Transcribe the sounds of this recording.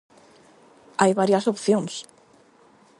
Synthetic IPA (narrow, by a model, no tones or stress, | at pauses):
ajβaɾjasopθjoŋs